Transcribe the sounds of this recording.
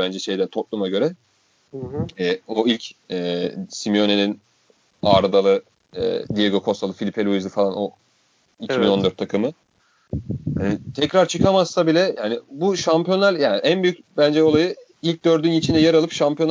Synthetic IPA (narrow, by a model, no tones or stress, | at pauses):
bænd͡ʒɛʃe̞jd̪ænt̪ʰot̪̚lˠumaɟø̞ɾɛ | ɛːoilʲcɛːsimio̞ne̞nin | aɾd̪alˠɯ | ɯ̰ːd̪ijeɡo̞kʰo̞st̪ʰalˠɯfilʲipʰelʲuizɯfalˠano̞ | icʰiinond̪øɾt̪ʰːakʰɯmɯ | ɛːt̪ʰɛcɾaɾt͡ʃʰɯkʰamassabilʲɛjaːnɪbuʃampijonæɾjaːnɪʔænbyjyc̚bænd͡ʒɛo̞lˠajɯ | ilʲc̚d̪ø̞ɾd̪ynit͡ʃʰind̪ɛjaɾalˠɯpʃampʰijon